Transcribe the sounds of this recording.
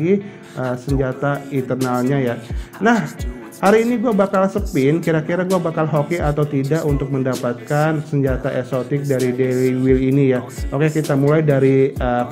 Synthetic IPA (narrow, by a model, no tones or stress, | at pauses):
ɡi | ʔəsəɲd͡ʒat̪ait̪ərnalɲajanah | haɾiːniɡuabakalsəpɪnkiɾakiɾaɡuabakalɦokiat̪awt̪idaʔunt̪ʊk̚məndapat̪̚kansəɲd͡ʒat̪aʔɛsot̪ɪk̚daɾideliwilinijaʔokekit̪amulajdaɾiə